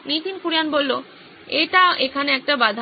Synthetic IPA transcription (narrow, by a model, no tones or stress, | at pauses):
nit̪inkuɾianbolːo | eʈaʔekʰaneɛk̚ʈabad̪ʱa